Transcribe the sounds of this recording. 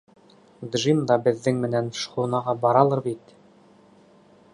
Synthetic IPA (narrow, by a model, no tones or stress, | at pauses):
d̪ʒimd̪ɑbɘ̆ðːɘŋmɘ̆nænʃχunɑʁɑbɑɾɑlˠɤɾbit̪